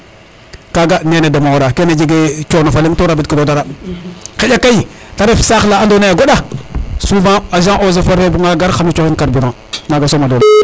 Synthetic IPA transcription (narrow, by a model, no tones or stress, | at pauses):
kaɡanenedamawɾakened͡ʒiɡet͡ʃonofaliŋtoɾabit̚kidodaɾakejakai | taɾefsaxlaandonajaɡoɗasuvãaʒãŋʔozafaɾfebuŋaɡaɾxamit͡ʃoxinkaɾbiɾaŋ | naɡasomadola